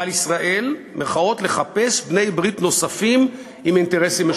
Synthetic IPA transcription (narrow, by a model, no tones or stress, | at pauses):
alisʁaʔe̞lmʔeχao̞t̪le̞χape̞sbne̞jbʁit̪no̞safim | iminte̞ʁesime